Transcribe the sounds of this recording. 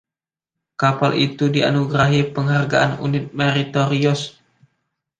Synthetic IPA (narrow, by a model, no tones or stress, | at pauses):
kapalʔit̪udia̰nuɡɾaɦipəŋɦarɡaʔanṵnɪt̪̚meɾit̪oɾiɔs